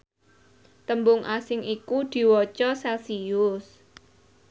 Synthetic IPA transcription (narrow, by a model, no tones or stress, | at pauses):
t̪əmbʊŋʔasɪŋikud̪̥i̤wɔt͡ʃɔsɛlsiʊs